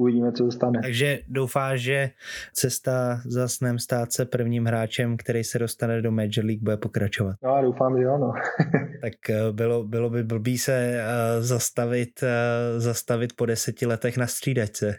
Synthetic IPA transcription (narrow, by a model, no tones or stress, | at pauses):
uvɪɟiːmɛt͡sosɛst̪anɛt̪aɡʒɛdo̞wfaːʃʒɛt͡sɛst̪azasnɛːmst̪aːt̪t͡sɛpr̩vɲiːmɦɾaːt͡ʃɛmkt̪ɛɾɛjsɛdo̞st̪anɛdo̞mɛːd͡ʒɛɾliːɡ̚budɛpo̞kɾat͡ʃo̞vat̪noadowfaːmʒɛanot̪akbɪlobɪlo̞bɪbl̩biːsɛzast̪avɪt̪zast̪avɪt̪̚po̞dɛsɛcɪlɛt̪ɛxnast̪r̝̥iːdajt͡sɛ